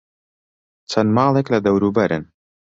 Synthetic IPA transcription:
t͡ʃʰɐnmɑːlˠeklɐd̪ɐwɾuːbɐɾʔɨ̰n

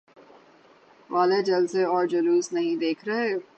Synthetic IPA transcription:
ʋaːled͡ʒɐlseɔːɾd͡ʒɐluːsnɐɦĩd̪eːkʰɾɐɦeː

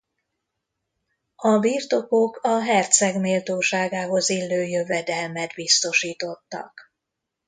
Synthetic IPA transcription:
ɒbirt̪o̞ko̞kɒɦɛrt̪sɛɡmeːlt̪oːʃaːɡaːɦo̞zilːøːjøvɛd̪ɛlmɛd̪bist̪o̞ʃiːt̪o̞t̪ːɒ̰k

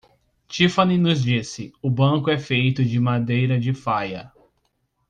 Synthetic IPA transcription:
t͡ʃifɐninʊzd͡ʒisɪʊbɐ̃kʊɛfejt̪ʊd͡ʒɪmad̪ejɾɐd͡ʒɪfajɐ

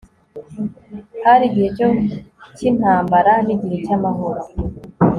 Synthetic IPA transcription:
haɾiɟihecocin̥aːmbaɾaniɟiɾicamaɦo̞ɾo

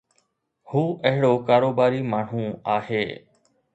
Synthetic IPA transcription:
huːʔəɦɪɽoːkaːɾoːbaːɾiːmaːɳ̤ũːaːheː

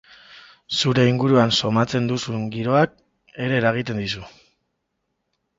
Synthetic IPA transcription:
suɾe̞iŋɡuɾuanso̞mat͡se̞nd̪usuŋɡiɾo̞ak̚ | e̞ɾe̞ːɾaɣ̞it̪e̞nd̪isu

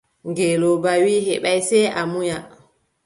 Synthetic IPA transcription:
ŋɡelobawihɛɓajsɛʔamuja

